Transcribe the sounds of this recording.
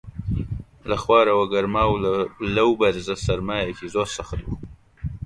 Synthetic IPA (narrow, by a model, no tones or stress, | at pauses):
laxwɑːɾawaɡaɾmɑːwlawbaɾzasaɾmɑːjakizosaxad̪u